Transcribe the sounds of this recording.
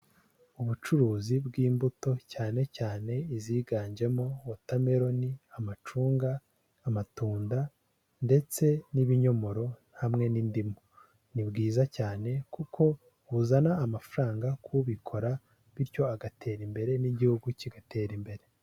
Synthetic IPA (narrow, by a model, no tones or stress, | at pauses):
uβut͡ʃuɾuːzibɡiːmbuto̞caːne̞caːne̞iziːɡaːɲd͡ʒe̞mowotame̞ɾo̞niamat͡ʃuːŋɡaː | matuːnda | nde̞t͡se̞niβiɲo̞mo̞ɾo̞nhamŋe̞nindimo | nibɡiːzacaːne̞kukʰo̞ | βuzanaːmafaɾaːŋɡakʰuβikʰo̞ɾa | βiɾjo̞aɡatʰe̞ːɾimbe̞ɾe̞niɟihuɡuciɡate̞ːɾimbe̞ɾe̞